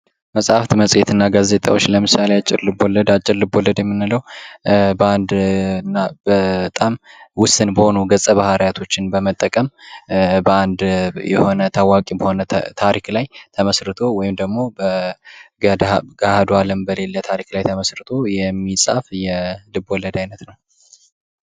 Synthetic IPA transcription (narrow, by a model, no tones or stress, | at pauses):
məsʼaft̪məsʼjet̪ʰɨnːaɡaze̞t̪ʼa̰wo̞t͡ʃːləmɨsaleat͡ʃʼːɪɾlɨbolːəd̪at͡ʃʼːɪɾlɨbolːəd̪jɛmːɨnɨləw | bəand̪ɨnːabət̪ʼamwʊst̪ʼɨnbəho̞nuɡəsʼəβahaɾajat̪ʰo̞t͡ʃːɪnbəmət̪ʼːəkʼəm | bəand̪jɛ̰ho̞nət̪ʰawakʼibəho̞nət̪ʰaɾiklajt̪ʰəməsɾɨt̪ʰo̞wɔjɪmd̪əɡmo̞bəɡdɡahad̪oaləmbəle̞lːət̪ʰaɾiklajt̪ʰəməsɾɨt̪ʰo̞jɛmːisʼafjɛlɨbɔləd̪ajnət̪nəw